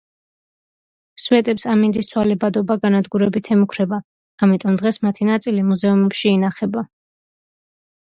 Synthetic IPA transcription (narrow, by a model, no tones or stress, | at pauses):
swɛt̪ʼɛpsamind̪ist̪sʰwalɛbad̪ɔbaɡanad̪ɡuɾɛbit̪ʰɛmukʰɾɛbaː | mit̪ʼɔmd̪ʁɛsmat̪ʰinat̪sʼilimuzɛumɛpʃiːnaχɛba